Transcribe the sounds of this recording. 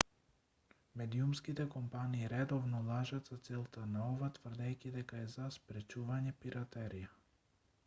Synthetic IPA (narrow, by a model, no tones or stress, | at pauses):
mɛd̪iumskit̪ɛkɔmpaniːɾɛd̪ɔvnɔlˠaʒat̪zat̪sɛlˠt̪anaɔvat̪vər̩d̪ɛjkʲid̪ɛkaɛzaspɾɛt͡ʃuvaɲɛpiɾat̪ɛɾija